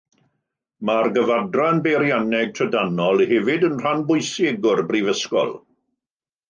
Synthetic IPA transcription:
marɡəvadranbeɾjanɛɡ̚tʰədanɔlˠhɛvɪdənr̥anbʊjseɡʊrbrivəskɔ̰lˠ

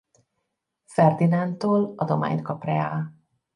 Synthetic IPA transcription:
fɛrd̪inant̪oːlɒd̪o̞ma̰ːɲt̪̚kɒprɛaːl

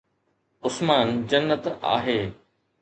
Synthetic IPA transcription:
ʊsmaːnd͡ʑɐnːət̪a̰ːɦeː

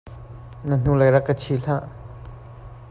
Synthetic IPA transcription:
nãn̥ũlaɾakat͡ʃʰiːɬaʔ

